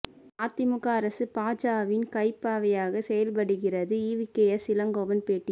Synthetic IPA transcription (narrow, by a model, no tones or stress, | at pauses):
aːt̪ːɪmʊkːaːɾɐsɯpaːd͡ʒaːʋɪnkɐɪpːaːʋɐjaːɣɐsɛjɐlp̬ɐɽɯɣɪrɐðɯiːʋɪkːɐjɐsɪlɐŋɡoːʋɐnpeːʈːɪ